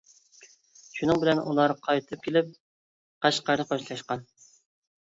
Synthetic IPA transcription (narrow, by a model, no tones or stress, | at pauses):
ʃunɨŋbɪlɛnʔṵlˠɑɾqʰɑjt̪ʰɨp̚kʲʰelɪp̚ | qæʃqɑɾd̪ɨqoʃlˠɑʃqɑn